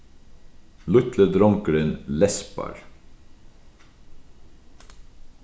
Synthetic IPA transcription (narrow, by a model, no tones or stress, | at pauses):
lʉt̪ləd̪ɾɔŋkəɾənlɛspɑ̰ɹ